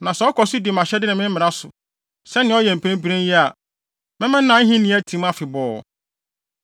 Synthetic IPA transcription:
nã˨sɛ˨˦ɔ˦kʰɔ˨sɪ˦dɪ˨mã˨ɕɛ˦dɪ˦nɪ̃˨mɪ̃˦mː˦ɪ̃˨ɾa˦sʊ˨ | sɛ˦nɪ̃˨˦ɔ˦jɛ̃˨m̩˨pʰẽ˦m˦bi˦ɾẽ˦ji˦a˨ | mɪ̃˦mɪ̃˦nã˨˦n̩˦ɦĩ˦nĩ˨˦æ˦tʰĩ˨˦m˦a˦fɪ˨bɔː˨

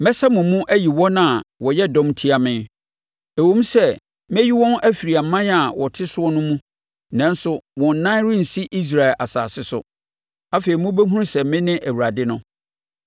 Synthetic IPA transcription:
mɛ̃˦sa˦mʊ̃˨mũ˦ʔæ˦ji˨wɔ̃˦nã˦˨wɔ˨jɛ˦dɔ̃˦mtʰi˦a˨mɪ̃˦n | æ˨wõ˦m̩˦sɛ˦ | m˦ɛ˦ji˦wɔ̃˦nʔæ˦fi˨ɾi˨a˨m̩˨˦mã˦n˦a˨wɔ˨tʰɪ˦sʊ˦ɔ˦nʊ̃˦mũ˦ | nã˦n˦sʊ˦wɔ̃˨n̩˨nã˦n˦ɾɪ̃˦n̩˨si˦ʔi˦s̬ɾa˨ɪ˨lʔa̰˨sa̰ː˨sɪ˦sʊ̰˦ | a˦fe˨i˨mũ˦be˦ɦũ˦ɾsɛ˨mɪ̃˦nɪ̃˦ʔæ˨wu˨ɾa˨dɪ˦nʊ̃˦

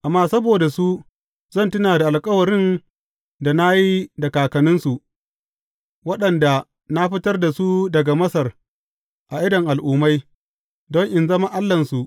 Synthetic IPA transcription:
ʔa˨mːaː˦sɐ˦boː˨da˨su˦ | zɐ˦˨ntʊ˦naː˨da˨ʔa˨lkʼɐ˦wɐ˨ɽɪ˦n | da˨na˦ji˦dɐ˨kaː˨kɐ˨nʊ˦nsu˨ | wɐ˦ɗɐ˨nda˨ | na˦ɸɪ˦tɐ˦rda˨su˦dɐ˨ɡa˨mɐ˦sɐ˨r | ʔa˨ʔɪ˦dɐ˨ŋʔa˨lʔuː˨ma˦j | dɔ˦ŋʔɪ˨nzɐ˦ma˦ʔa˦lːɐ˨nsu˨ʔ

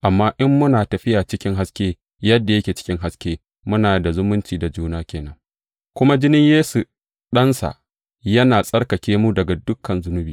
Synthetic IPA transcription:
ʔa˨mːaː˦ʔɪ˦mːʊ˦naː˨tɐ˨ɸɪ˦jaː˨t͡ʃɪ˦kʲɪ˦ŋɦa˦skʲeː˦ | jɐ˦dːa˨jɐ˦kʲeː˨t͡ʃɪ̥˦kʲɪ˦ŋɦa˦skʲeː˦ | mʊ˦naː˨da˨zʊ˦mʊ˦nt͡ʃiː˨da˨d͡ʒuː˦naː˦kʲeː˨nɐ˦ŋ | kʷʊ˦ma˦d͡ʒɪ˦nɪ˦ɲjeː˦su˨ | ɗɐ˦nsa̰˨ʔ | jɐ˦naː˨sʼɐ˦rkɐ˨kʲeː˦mu˦dɐ˨ɡa˨dʊ˦kʰːɐ˨nzʊ˦nʊ˦biː˨

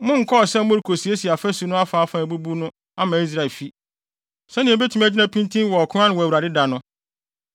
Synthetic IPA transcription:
mʊ̃˦ŋ̩˨kʰɔ˦ɔ˨sɛ˦mʊ̃˦ɾkʰo˨si˨˦e˦si˨a˨fæ˦su˨nʊ̃˦a˦fa˨˦fã˨æ˨bu˦bu˦nʊ̃˦ | a˦mãː˨˦i˦s̬ɾa˨fi˦ | sɛ˦nɪ̃˨be˦tʰu˨mæ˨d͡ʑɪ˦nã˦pʰĩ˦ntʰĩ˦wɔ˨kʰʊ̃˦ã˦nɪ̃˨wɔ˨æ˨u˨ɾa˨dɪ˦da˨nʊ̃˦

